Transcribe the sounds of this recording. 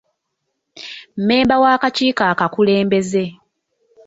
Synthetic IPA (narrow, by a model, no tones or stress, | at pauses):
m̩me̞ːmbawaːkaciːkaːkakule̞ːmbe̞ze̞